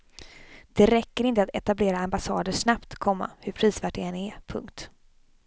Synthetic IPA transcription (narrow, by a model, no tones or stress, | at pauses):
d̪̥ɛɾɛkːəɾɪnt̪əat̪ɛt̪ableːɾaambasɑːd̪əʂnapt̪kʰɔmːa̰hɵpʰɾiːsvæːʈ̚ɖɛɛnɛpʰɵ̰ŋkt̪